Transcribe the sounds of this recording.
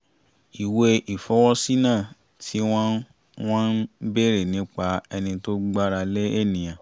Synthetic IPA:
i˨we˧ʔi˨fɔ˨˦wɔ˦si˦nã˦˨ | tʰi˨˦w̃ɔ̃˦ | w̃ɔ̃˦n˦be˦˨ɾe˦˨nĩ˨˦k͡pa˧ɛ˧nĩ˧to˦ɡ͡ba˦ɾa˧le˦e˦˨nĩ˨j̃ã˨

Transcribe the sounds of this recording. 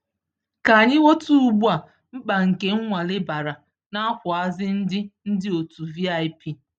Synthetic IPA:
ka˨a˨ɲɪ˦wo˦tu˦u˨ɡ͡bu˦a˨ | ŋ͡m̩˦k͡pa˨ŋ̩˨ke˦ŋ̩˦ŋʷa˨lɪ˦ba˨ɾa˨ | na˦kʷʊ˨a˦zɪ˦n̩˦dɪ˦n̩˦dɪ˦o˨tu˨vi˦a˨i˦pi˦

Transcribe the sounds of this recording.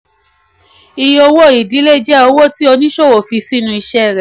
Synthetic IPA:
i˧jo˧wo˦˨i˨di˨˦le˦˨d͡ʒɛ˦o˧wo˦˨ti˦ɔ˧nĩ˦ʃo˦˨wo˨fi˧si˦nũ˧i˧ʃɛ˦˨ɾɛ˨

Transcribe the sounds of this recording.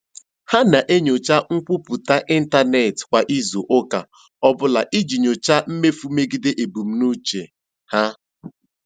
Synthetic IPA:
ha˦na˨ʔe˦ɲo˨t͡ʃa˦ŋ̩˦kʷʊ˦pu˨ta˦ʔi˦n̩˦ta˦ne˨tkʷa˨ʔi˦zo˨ʔo˦ka̰˨ | ɔ˦bʊ˦la˨ʔi˦d͡ʒi˨ɲo˨t͡ʃa˦m̩˦me˦fu˦me˦ɡi˦de˦ʔe˨bu˨m̩˦nu˦t͡ʃe˨ | ha˦

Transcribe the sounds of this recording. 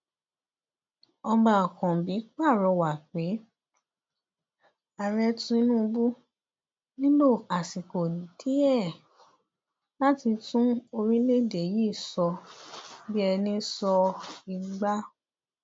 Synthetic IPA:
ɔ˧ba˨kɔ̃˨bi˨˦k͡pa˦˨ɾɔ˧wa˨k͡pe˨˦ | a˨ɾɛ˧tũ˧˦i˧nũ˦˧bu˦ | nĩ˦lo˦˨a˨si˨ko˨n˨ti˦ɛ˦˨ | la˦ti˧tũ˦o˧ɾĩ˦le˦˨de˨jiː˦˨sɔ˧ | bi˦ɛ˧nĩ˧sɔ˧i˧ɡ͡ba˦

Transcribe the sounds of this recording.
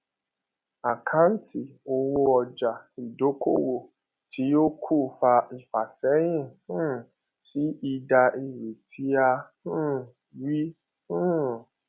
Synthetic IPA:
a˨kʰã˨˦n̩˦tʰi˦˨o˧wo˧ɔ˧d͡ʒa˨i˨do˨˦ko̰˦wo˦˨ | tʰi˨˦jo˦kʰu˦˨fa˧i˨fa˨sɛ˨˦j̃ĩ˦˨hũ˦˨ | si˨˦ʔi˧da˧ʔi˨wi˨tʰi˨˦a˧ | ũ˦ | wi˦ | hũ˦

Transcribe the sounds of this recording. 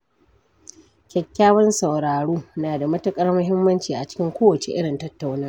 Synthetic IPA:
kʲɛ˨kʲːaː˦wɐ˦nsɐ˨wɽaː˨ɽuː˦naː˨da˨mɐ˦tɐ˦kʼɐ˦rmʊ˦ɦɪ˦mːɐ˦nt͡ʃiː˨ʔa˨t͡ʃɪ̥˦kʲɪ˦ŋkʷoː˦wɐ˨t͡ʃḛ˨ʔɪ˦ɽɪ˨ntɐ˦tːa˦wnɐ˦r

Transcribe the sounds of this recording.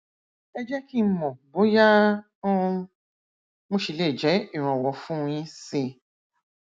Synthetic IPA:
ɛ˦d͡ʒɛ˦ki˦˨˧mɔ̃˨bo˨˦jã˦˧ | mõ˦ʃi˨˧˨leː˦˨d͡ʒɛ˨˦i˦˨ɾ̃ɔ̃˨wɔ˨fũ˦˧j̃ĩ˧˦si˧˨

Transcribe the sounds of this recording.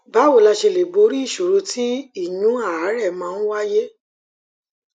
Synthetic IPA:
ba˨˦wo˦˨la˧ʃe˧le˨bo˨˦ɾi˦i˦˨ʃo˨ɾo˧˦tʰĩ˦i˦˨jũ˨˦a˦˨a˨˦ɾɛ˦˨mãː˨˦n̩˦wa˦je˦

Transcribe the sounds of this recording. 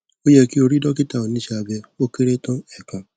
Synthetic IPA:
o˦jɛ˦ki˦o˧ɾi˦dɔ˦ki˦ta˦˨o˨nĩ˦ʃɛ˧a˧bɛ˧o˦ki˦ɾe˦tɔ̃˦ɛ˦˨kã˨

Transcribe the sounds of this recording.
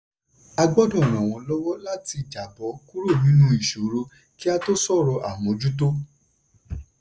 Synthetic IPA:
a˧ɡ͡bɔ˦dɔ̃˦˨ɾ̃ã˨w̃ɔ̃˧lɔ˦wɔ˦la˦ti˧˨d͡ʒa˨bɔ˨˦ku˦ɾo˦˨nĩ˦nũ˦i˦˨ʃo˨˦ɾo˧ | ki˦a˦to˦sɔ˦˨ɾɔ˧ʔa˨mõ˨˧˦d͡ʒu˦t̬o˦

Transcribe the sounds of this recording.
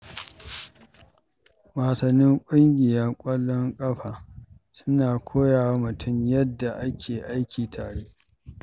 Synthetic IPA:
waː˨sɐ˨nːɪ˦ŋkʷʼʊ˦ŋɡʲɪ˨jɐ˦rkʷʼɐ˦lːɔ˦ŋkʼɐ˦ɸaː˨ | sʊ˦naː˨kʷʰoː˦jaː˨wa˦mʊ˨tʊ˦mjɐ˦dːa˨ʔa˦kʲʰeː˨ʔa˦jkʲʰiː˨tʰaː˨ɽe˦

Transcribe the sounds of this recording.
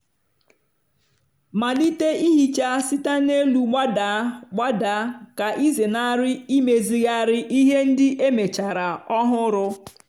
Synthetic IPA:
ma˨li˦te˦i˦ɦi˨t͡ʃa˦sɪ˦ta˦ne˦lu˨ɡ͡ba˦da˨˦ɡ͡ba˦da˨˦ka˨ʔi˦ze˨na˦ɾɪ˦i˦me˨zi˨ja˦ɾɪ˦ʔi˦ɦe˦n̩˦dɪ˦ʔe˦me˨t͡ʃa˨ɾa˨ɔ˦ɦʊ˦ɾʊ˦

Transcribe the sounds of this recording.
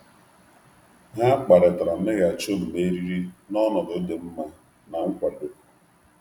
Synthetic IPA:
ɦa˦k͡pa˨ɾɪ˨tɾa˨mɪ˦ɣa˨t͡ʃo˦m̩˨me˦ɾi˦ɾi˦nɔ˦nɔ˨dʊ˦dɪ˨m̩˦ma˦ | na˨ŋ̩˦kʷa˨do˨

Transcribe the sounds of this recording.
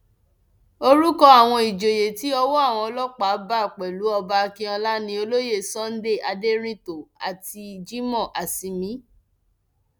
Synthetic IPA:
o˧ɾu˦kɔ˧a˨w̃ɔ̃˧i˨d͡ʒo˨je˨ti˨˦ɔ˧wɔ˦a˦˨w̃ɔ̃˧ɔ˧lɔ˦k͡pa˨˦ba˦˨k͡pɛ˨lu˨˦ɔ˧ba˧kĩ˦ã˧la˦nĩ˧o˧lo˦je˦˨sɔ̃˦n̩˦de˦˨a˧de˦ɾ̃ĩ˦to˨a˨ti˧d͡ʒi˦mɔ̃˦˨ʔa˨si˨˧mĩ˨˦

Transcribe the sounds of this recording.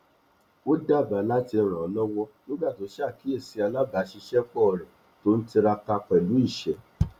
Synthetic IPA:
o˦da˦˨ba˨˦la˦ti˧ɾ̃ã˨ɔ˨˧lɔ˦wɔ˦nĩ˦ɡ͡ba˦˨to˨˦ʃa˦˨ki˨˦e˦˨si˨˧a˧la˦ba˨˦ʃi˧ʃɛ˦k͡pɔ˦˨ɾɛ̃˨ | to˦n̩˦ti˧ɾa˧ka˧k͡pɛ˨lu˨˦i˦˨ʃɛ˨

